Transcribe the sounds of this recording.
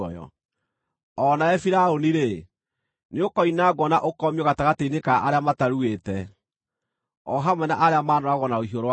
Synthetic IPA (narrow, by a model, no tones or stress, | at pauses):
ɔjɔ̰ | ɔnaɛfiɾaoniɾe | neokɔinaːɡɔnaʔokɔmiɔɣataɣateinekaʔaɾeamataɾuetɛ | ɔɦamwɛnaʔaɾeamaːnɔaɣɔnaoɦioɾowa